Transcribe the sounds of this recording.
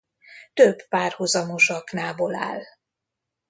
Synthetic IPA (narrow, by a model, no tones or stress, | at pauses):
t̪øbpaːrhuzɒmo̞ʃɒknaːbola̰ːl